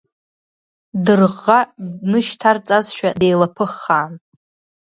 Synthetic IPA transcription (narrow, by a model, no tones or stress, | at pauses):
dɨrʁːanɨʃtʰart͡sʼazʃᶣade̞jlapʰɨχːaːn